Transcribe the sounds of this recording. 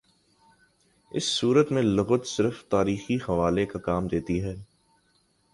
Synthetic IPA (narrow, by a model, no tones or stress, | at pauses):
ɪ̰sːuːɾət̪mẽlʊɣət̪sɪɾft̪aːɾiːxihɐʋaːlekakaːmd̪eːt̪iɦɛː